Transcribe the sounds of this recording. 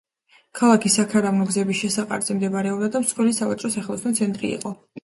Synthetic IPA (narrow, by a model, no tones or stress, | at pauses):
kʰalˠakʰisakʰaɾavnɔɡzɛbisʃɛsaqʼa̰ɾz̥ɛmd̪ɛbaɾɛɔbd̪ad̪amsχwilisava̰t͡ʃʼɾɔsaχɛlˠɔsnɔt̪sʰɛnt̪ʼɾḭḭqʼɔ